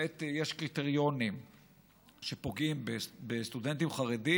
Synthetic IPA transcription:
et̪jeʃkʁit̪e̞ʁjo̞nim | ʃe̞po̞ɡimbebest̪ude̞nt̪imχaʁedi

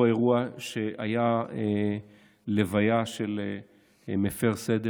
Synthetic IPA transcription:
eʁuaʃe̞ajae | levajaʃe̞le | mefe̞ʁsed̪e

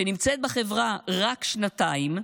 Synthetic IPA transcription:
enimt͡set̪̚baχe̞vʁaʁakʃnat̪aim

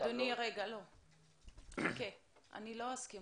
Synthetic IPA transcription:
d̪oniʁeɡalo | okeʔa̰nilo̞aski

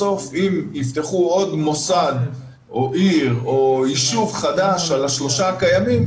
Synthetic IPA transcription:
o̞fimift̪eχuo̞d̪mo̞sad̪ | ʔo̞ʔiʁoiʃuvχad̪aʃalaʃlo̞ʃakajamim

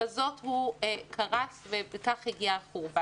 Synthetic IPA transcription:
azo̞thukʰaʁat͡svebekaχhiɡiaχuʁba

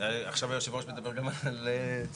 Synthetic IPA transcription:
aχʃavajoʃevoʃmed̪abeʁɡamalle

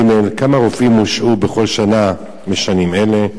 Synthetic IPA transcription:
melkamaʁofʔimuʃʔubeχo̞lʃana | meʃanimele̞

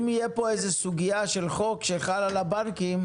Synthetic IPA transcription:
mijepoejzesuɡijaʃelχo̞kʃeχalalabaŋkim

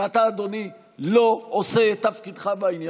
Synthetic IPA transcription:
at̪aːd̪o̞ni | lo̞oset̪ːafkid̪χabainja

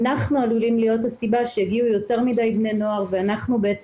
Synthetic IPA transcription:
naχnualulimlijo̞thasibaʃejaɡiujo̞te̞ʁmidajbne̞no̞aʁveanaχnubeet͡s

